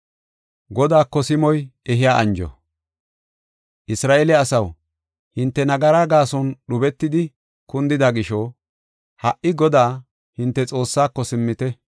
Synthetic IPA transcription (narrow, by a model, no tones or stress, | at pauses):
ɡɔd̪aːkːɔsɪmɔjɛɦɪjaːʔɐ̰nd͡ʒɔ̰ | ʔɪsɾaːʔelɛɐsɐw | hɪnt̪ːɛnɐɡɐɾaːɡaːsɔnɗʊbɛt̪ːɪd̪ɪ | kʊnd̪ɪd̪ɐɡɪʃɔ | hɐʔːɪɡɔd̪aː | hɪnt̪ːɛt͡sʼo̞ːsːaːkːɔsɪmːɪt̪ɛ